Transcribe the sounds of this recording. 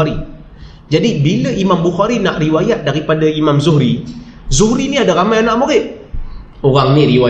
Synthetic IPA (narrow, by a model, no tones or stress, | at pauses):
ɾi | d͡ʒadibiləimambuxaɾinaʔriwajat̪̚daɾipadaimamzuɦɾi | zuɦɾiniadaɾamajanaʔmoɣɪʔ | oɣaŋniɾiwa